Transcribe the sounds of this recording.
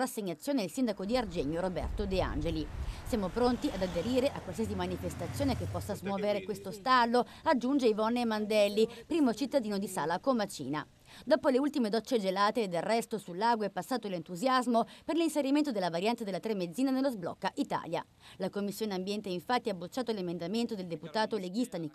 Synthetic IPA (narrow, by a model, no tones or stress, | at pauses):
rasːeɲːat̪sːjoːneilsind̪akod̪iard͡ʒɛɲːoɾobɛ̰rt̪od̪ea̰nd͡ʒelisjaːmopɾont̪iad̪ad̪eɾiːɾeʔakːwalsias̬imanifest̪at̪sːjoːnekepːɔsːazmwɔːveɾekwest̪ost̪alːo | ad͡ʒːund͡ʒeivɔnːemand̪ɛlːipɾiːmot͡ʃit̪ːad̪iːnod̪isaːlakomat͡ʃḭːna̰ | d̪oːpoleult̪imed̪ɔt͡ʃːed͡ʒelaːt̪ed̪erːɛst̪osulːaɡwoɛpːasːaːt̪olent̪uzjazmoperlinseɾiment̪od̪elːavaɾjant̪ed̪elːat̪ɾemːed̪ziːnanelːozblɔ̰kːaʔit̪a̰ːlja̰ | lakomːisːjoːneambjɛnt̪eiɱfat̪ːiabːot͡ʃːaːt̪olemend̪ament̪od̪eld̪eput̪aːt̪oleɡ̟ist̪ani